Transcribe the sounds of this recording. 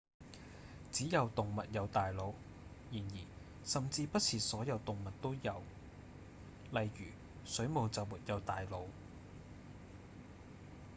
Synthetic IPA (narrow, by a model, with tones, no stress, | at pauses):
t͡siː˨˥jɐ˨˧wt̪ʊ˨ŋmɐ˨t̚jɐ˨˧wt̪aː˨jlo˨˧w | jiː˨˩njiː˨˩ | sɐ˨mt͡siː˧pɐ˥t̚t͡sʰiː˨t̚sɔː˨˥jɐ˨˧wt̪ʊ˨ŋmɐ˨t̚t̪o˥wjɐ˨˧w | lɐ˨jjyː˨˩ | sɵ˨˥ɥmo˨˧wt͡sɐ˨wmuː˨t̚jɐ˨˧wt̪aː˨jlo˨˧w